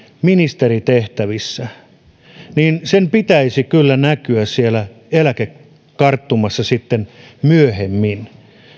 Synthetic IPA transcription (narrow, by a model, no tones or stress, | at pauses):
minist̪erit̪eht̪æʋisːæ | niːnsempit̪æisikylːænækyæssielæ | elæke | kɑrt̪ːumɑsːɑsit̪ːenmyøhemːin